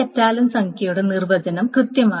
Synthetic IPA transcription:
etːaːlɐmsɐŋkʰjɐjuɽe̞nirʋɐd͡ʑɐnɐmkrɨt̪jɐmaː

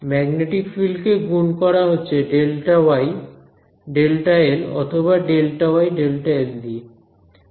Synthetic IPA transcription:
mɛɡneʈikfilkeɡunkɔɾaɦotːɕʰeɖelʈawaj | ɖelʈaelɔ̰t̪ʰoβaɖelʈawajɖelʈajeld̪ie

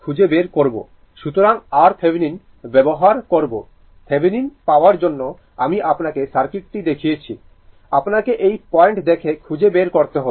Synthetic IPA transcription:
kʰud͡ʑebeɾkoɾbo̰ | ʃut̪oɾaŋaɾp̪ʰebʱinin | bɛboɦaɾkoɾbo | fʰebʱininpaoaɾd͡ʑonːo | amiʔapnakesaɾkiʈ̚ʈid̪ekʰijet͡ɕʰi | apnakeʔejpɔeɳʈd̪ekʰekʰud͡ʑebeɾkoɾt̪eɦo

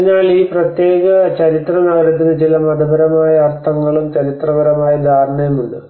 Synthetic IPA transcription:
naːɭiːprɐt̪je̞ːɣɐt͡ɕɐɾit̪rɐnɐɣɐɾɐt̪ːinɨt͡ɕilɐmɐd̪ɐbɐɾɐmaːjɐɐrt̪ʰɐŋːɐɭumt͡ɕɐɾit̪rɐbɐɾɐmaːjɐd̪ʱaːɾɳɐjɐmuɳɖɨ

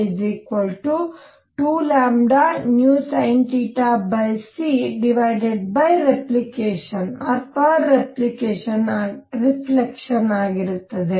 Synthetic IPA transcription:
d͡ʒiːkʋɐlʈu | ʈuːlaːmɖanjuːsɐjɳʈiʈaːbɐjsiɖiʋɐjɖeɖ̚bɐjɾeplikeːʃɐnɐɾpaːeplikeːʃɐnaɾifʰlekʂɐnaːɡiɾut̪ːɐd̪e

